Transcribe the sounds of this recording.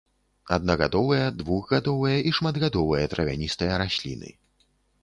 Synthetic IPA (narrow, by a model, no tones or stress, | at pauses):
ɐd̪̚nɐɣad̪ɔvɐjɐd̪vuɣɣad̪ɔvɐjɐʔiʂmad̪ɣad̪ɔvɨjɐt̪ɾɐvʲa̰nʲist̪ɐjɐɾasʲlʲḭnɨ̰